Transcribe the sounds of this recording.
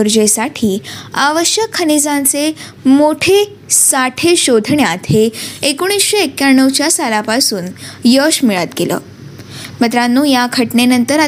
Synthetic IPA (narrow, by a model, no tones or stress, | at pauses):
uɾd͡ʑesaʈʰiːaʋəɕjəkʰːənid͡zãnt͡se | moʈʰe | saʈʰeɕod̪ʱɳjat̪ɦeekoɽ̃isɕeekːjaɳːəʋt͡ɕjasalapasuːnjəɕmiɭat̪̚ɡelə̰ː | mət̪ɾanːuːjakʰəʈnenənt̪əɾa